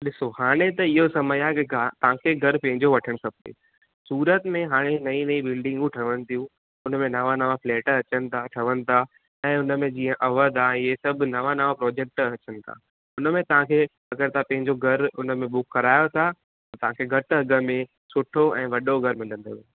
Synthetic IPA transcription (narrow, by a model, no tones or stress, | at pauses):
ɗɪsohaːɽ̃et̪ɐɪɦosɐməjaɦekɪɡat̪ɐʋ̤ãːkʰeɡʱɐɾpɐ̃ɦɪ̃ɲd͡ʑoʋɐʈʰəɽ̃kɐp̚ʰɗḛː | suːɾət̪mẽɦaːɽ̃enɐĩnɐĩbɪlɖɪ̃ŋɡũʈʰɐʋəñɪ̆t̪ʰijũ | ʊnəmẽnɐʋãnɐʋafleːʈəɐt͡ɕənɪ̆t̪ʰaʈʰɐʋənɪ̆t̪ʰa | ɛ̃ːʊnə̆mẽd͡ʑĩːə̃ʔɐʋət̪aɛ̃ɦesɐb̆ʱnɐʋãnɐʋapɾɔːd͡ʑek̚ʈɐt͡ɕənɪ̆t̪ʰa̰ | ʊnəmẽt̪ɐʋ̤ãkʰe | ɐɡəɾt̪ʰapɐ̃ɦɪ̃ɲd͡ʑoɡʱɐɾʊnə̆mẽɓʊkːɐɾaːjot̪ʰa | ɐt̪ɐʋ̤ãkʰeɡʱɐʈɐɡə̆mẽ | sʊʈʰoɛ̃ːʋɐɗoɡʱɐɾmɪ̃lə̃nd̪oʋ